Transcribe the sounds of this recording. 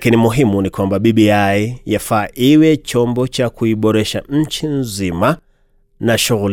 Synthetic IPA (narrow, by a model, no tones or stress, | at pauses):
kinimuɦimunikwambaɓiɓiaijafaːʔiwɛt͡ʃɔmbɔt͡ʃakuiɓɔɾɛʃaɲ̩t͡ʃinzima | naʃuɣul